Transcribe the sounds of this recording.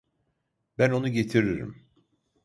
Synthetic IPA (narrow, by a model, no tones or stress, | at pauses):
bæno̞nuɟet̪ʰiɾiɾḭm